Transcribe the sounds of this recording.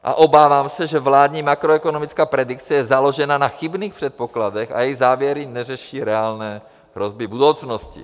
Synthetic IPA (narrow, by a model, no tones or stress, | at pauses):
ʔa̰ʔobaːvaːmsɛʒɛvlaːd̪ɲiːmakɾoɛkonomit͡skaːpɾɛdikt͡sɛjɛzalo̞ʒɛnanaxibniːxpr̥ɛt̪̚pokladɛxa̰jɛjzaːvjɛɾinɛrɛʃiːɾɛaːlnɛː | ɦɾozbɪbudowt͡snoscɪ̰